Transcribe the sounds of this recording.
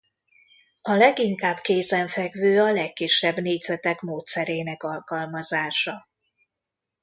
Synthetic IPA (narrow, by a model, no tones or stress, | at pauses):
ɒlɛɡiŋkaːbkeːzɛɱfɛɡvøːɒlɛkːiʃːɛbneːd̪zɛt̪ɛkmoːt̪sɛɾeːnɛkɒlkɒlmɒzaːʃɒ